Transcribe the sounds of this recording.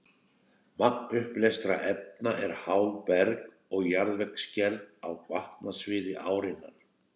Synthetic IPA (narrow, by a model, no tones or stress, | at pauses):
mak̚nʏhplɛst̪ɾa̰ʔɛp̚naʔɛɾ̥haːwpɛɾk | ɔɣjaɾðvɛkscɛɾðawkvaht̪nasvɪːɾɪʔaːwɾɪnːaɾ̥